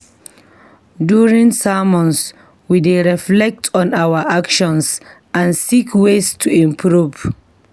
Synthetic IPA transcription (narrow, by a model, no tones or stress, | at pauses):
duɹĩŋsamɔ̃ns | wideɹiflɛk̚tʰɔ̃nawaʔakʃɔ̃ns | ʔãnsikʰwestʰuĩmpʰɹuv